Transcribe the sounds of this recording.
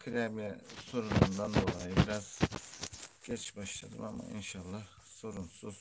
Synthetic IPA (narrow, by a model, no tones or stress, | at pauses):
kʰɯɾamjɛso̞ɾunund̪and̪o̞lˠajɯbiɾaz̥ | ɟ̥ɛt͡ʃbaʃlˠa̰d̪ɯmama̰ḭnʃalˠːɑh | so̞ɾunsuz̥